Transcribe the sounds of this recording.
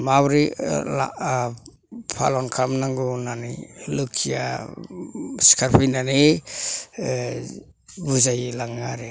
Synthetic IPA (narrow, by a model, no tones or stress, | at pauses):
maβɾila̰ | pʰa̰lɔnkʰamnaŋɡunanilukʰija̰ | skʰaɾpʰijnani | buzajlaŋaɾe